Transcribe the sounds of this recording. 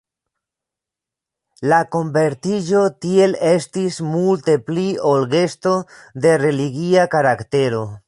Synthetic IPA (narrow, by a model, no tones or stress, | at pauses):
lako̞mbe̞ɾtid͡ʒo̞tie̞le̞stismulte̞pliolɡe̞sto̞d̪e̞re̞liɡiakaɾakte̞ɾo̞